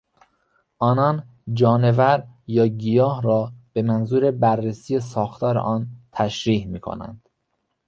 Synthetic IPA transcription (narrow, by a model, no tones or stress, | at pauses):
ʔɒːnɒːn | d͡ʒɒːnevæɾjɒːɡijɒːhɾɒːb̥e̞mænzuːɾe̞bærːesiːjesɒːxt̪ʰɒːɾḛʔɒːnt̪ʰæʃɾiːhmiːkʰo̰næ̰nd̪̥